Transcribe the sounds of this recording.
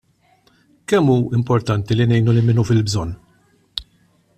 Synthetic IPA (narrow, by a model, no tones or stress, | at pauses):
kɛmːuːɪmpɔɾt̪ɐnt̪ilinɛjnulɪmɪnufɪlbzɔnː